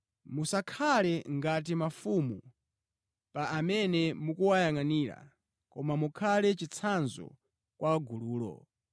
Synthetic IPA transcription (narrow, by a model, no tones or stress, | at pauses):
musakʰalɛŋɡat̬imafumu | paʔamɛnɛmukuwajaŋaniːɾa̰ | kɔmamukʰalɛt͡ʃit͡sʰanzɔ̰ | kwaɡuluːlɔ̰